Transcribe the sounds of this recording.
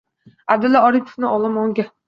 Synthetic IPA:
abd̪ɪlːaɒɾipʰo̥fnɪɒlˠamɒŋɡʲa

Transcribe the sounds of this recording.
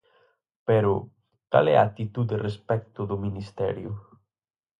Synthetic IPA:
peɾu | ka̰lɛ̰at̪it̪ud̪erespɛk̚t̪ud̪uminist̪ɛ̰ɾju

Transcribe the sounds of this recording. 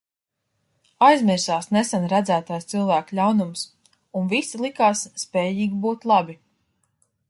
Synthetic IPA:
ajzmiɾsaːsnesanɾæd̪zæːt̪ajst̪silˠvæːklʲawnums | unvisilˠikaːsːpʲɛːjiːɡʲibuːt̪lˠabi

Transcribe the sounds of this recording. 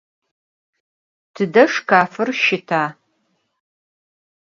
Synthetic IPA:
tʰɨdɐʂkʰaːfɨrʃɪtʰaː

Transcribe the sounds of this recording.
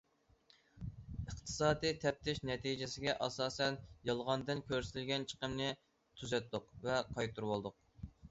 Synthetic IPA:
əχt̪ʰɨ̥sɑːd̪ijt̪ʰɛp̚t̪ʰɪʃnɛt̪ʰid͡ʒɪsɪɡʲɛʔɑsɑːsɛnjɑlˠʁɑnd̪ɨnkʲʰøɾsɪɪlɡʲɛnt͡ʃʰə̥qəmnɨ | t̪ʰyzɛt̪̚dʊqvɛqʰɑjt̪ʰuɾwolˠd̪ʊq̚

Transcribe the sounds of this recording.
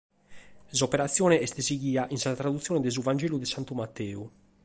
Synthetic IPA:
sopeɾat̪sːjɔːneɛst̪eseɡiːaʔinsat̪ɾad̪ut̪sjoːned̪ez̬uvand͡ʒɛːlud̪esant̪umat̪ːɛːu

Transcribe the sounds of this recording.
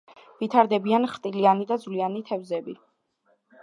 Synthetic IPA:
vit̪ʰaɾd̪ɛbianχt̪ʼilianid̪ad̪zvlianit̪ʰɛvzɛbi

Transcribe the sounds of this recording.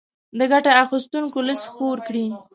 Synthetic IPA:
d̪əɡaʈaaxist̪uŋkoləsxoɾkɽi

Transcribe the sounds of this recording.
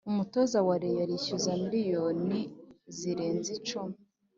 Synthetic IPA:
umuto̞zawaɾejaɾiʃuzamiɾijoniziɾe̞ːnzit͡ʃumi

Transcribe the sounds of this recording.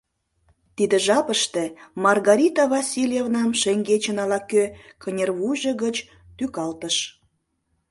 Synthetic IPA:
t̪id̪əʒɑpəʃt̪emɑrɣɑɾʲit̪ɑvɑsʲilʲjevnɑmʃeŋɡet͡ɕənɑlɑkøkʰənʲerβuʒə̆ɣət͡ɕ | t̪ykɑlt̪əʃ

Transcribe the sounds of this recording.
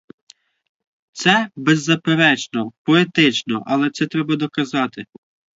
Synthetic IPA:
t̪sɛbɛzːɐpeɾɛt͡ʃnɔpɔet̪ɪt͡ʃnɔʔɐlˠɛt̪sɛt̪ɾɛbɐd̪ɔkɐzɑt̪ɪ

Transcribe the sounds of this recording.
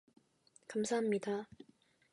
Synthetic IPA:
kamsʰaɦamɲida

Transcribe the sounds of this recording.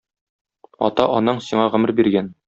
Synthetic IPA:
ɒ̰t̪ɑʔɒnɤɴsiɴɑʁɘ̆mɘɾbiɾɡæn

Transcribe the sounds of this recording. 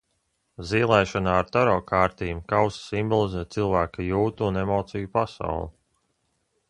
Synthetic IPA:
ziːlˠɛjʃɔnaːɾt̪ɔɾɔːkʰaːɾt̪iːmkawssimbɔlˠizɛːt̪̚t̪silˠvæːkajuːt̪uːnemɔːt̪sijupasa̰wlˠi

